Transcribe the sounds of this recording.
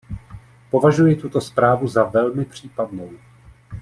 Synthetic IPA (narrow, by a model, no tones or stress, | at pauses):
po̞vaʒujɪt̪ut̪o̞spɾaːvuzavɛlmɪpr̝̥iːpadno̞w